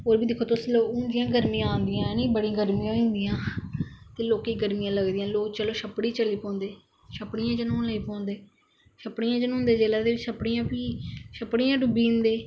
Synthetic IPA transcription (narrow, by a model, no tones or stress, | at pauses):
oːɾbiːd̪ekʰoːt̪ʊsloːkʊ̃nd̪ɪjãːɡəɾmĩːãaːnd̪ɪjãːniːbəɽĩːɡəɾmĩːãːʊ̃ːnd̪ɪjãːt̪eːloːkiːɡəɾmijãːləɡd̪ɪjãːloːkt͡ʃəloːʃəpːɽiːt͡ʃəliːpɔ̃ːnd̪eː | ʃəpɽɪjãːt͡ʃənõləiːpɔ̃ːnd̪eː | ʃəpːɽijãːt͡ʃənũːɦʊ̃nd̪eːd͡ʒeːlaːd̪eːʋɪt͡ʃʃəpɽijãːpiːʃəpːɽijãːɖʊbiːʊnd̪eː